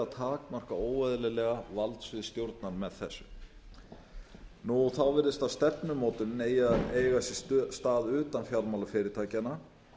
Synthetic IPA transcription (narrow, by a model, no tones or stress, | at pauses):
at̪ʰaːkmar̥kaoːwvajðɪlɪlɛɣavalt̪svɪðst̪jowɾt̪naɾmɛðθɛsːʏ | nuɔɣθawvɪɾðɪst̪aðst̪ɛpnʏmɔːt̪ʏnejaeːjɣasɛst̪aːðʏːt̪anfjawɾmawlafɪːɾɪɾt̪ʰaːjcana